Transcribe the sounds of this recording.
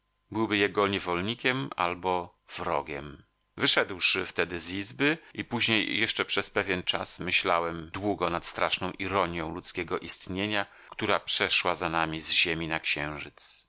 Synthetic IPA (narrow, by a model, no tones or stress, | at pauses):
bɘwbɘjɛɡɔɲɛvɔlɲikʲɛma̰lbɔ | vɾɔ̰ɡʲɛ̰m | vɘʂɛd̪wʂɘft̪ɛd̪ɘzizbɘʔipuʑɲejːɛʂt͡ʂɛpʂɛspɛvʲjɛnt͡ʂasmɘɕlawɛmd̪wuɡɔnat̪st̪ɾaʂnɔ̃w̃ʔiɾɔɲjɔ̃w̃lut̪skʲeɡɔʔist̪ɲeɲa | kt̪uɾapʂɛʂwazanamʲizʑemʲinakɕɛ̃w̃ʐɘt̪s